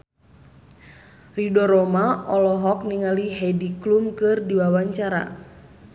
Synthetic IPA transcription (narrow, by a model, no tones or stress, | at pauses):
ridɔɾɔmaʔɔlɔɦɔk̚niŋaliɦɛdiklumkɨrdiwawaɲt͡ʃaɾa̰